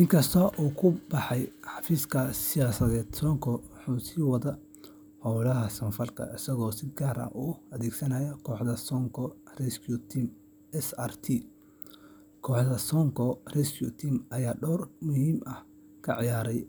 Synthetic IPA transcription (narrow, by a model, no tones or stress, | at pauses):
ʔɪŋkʰɐst̪ʰɐʔuːkʰʊb̥ɑħɑjħɑfiːskʰɐsɪjaːsɐðɛːd̪̥sɔːŋkʰɔwħuːsiːwɐðɐ | hɔwlɐɦɐsɐnfɐlkʰɐ̰ʔɪsɐɣɔːsɪd̪̚ɡaːɾɐ̰ʔuːɐðɛːɡsɐnɐjɐkʰɔːħd̪ɐsɔŋkʰɔrɛskʰjut̪ʰim | ɛsaːrt̪ʰi | kʰɔːħdɐsɔŋkʰɔrɛskjṵt̪ʰiːmɐjaːɖɔːrmʊhiːmʔɐh | kʰɐ̰ʕɪjaːɾɛj